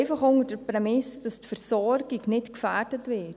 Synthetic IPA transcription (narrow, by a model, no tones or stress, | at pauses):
ɪfɑχʊŋəɾd̥əpɾɛmɪsd̥ɑstfəɾsɔɾɡ̥iknɪtkfæɾd̥ətʋɪt